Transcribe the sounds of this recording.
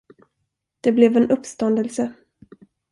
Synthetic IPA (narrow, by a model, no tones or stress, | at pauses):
d̪̥ɛblɛvɛnɵpst̪ɔnd̪əlsə